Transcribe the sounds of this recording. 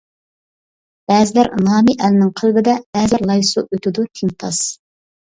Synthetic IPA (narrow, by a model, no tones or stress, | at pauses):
b̥ɛːzɪlæɾnɑːmiʔɛlɪnɪŋqʰəlˠbɪd̪ɛb̥ɛzɪlæɾlˠɑjsṵʔøt̪ɪd̪ut̪ʰɪŋt̪ʰɑ̰s